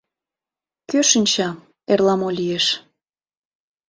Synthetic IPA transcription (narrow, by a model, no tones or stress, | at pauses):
køʃə̆nʲt͡ɕɑ | erlɑmolʲijeʃ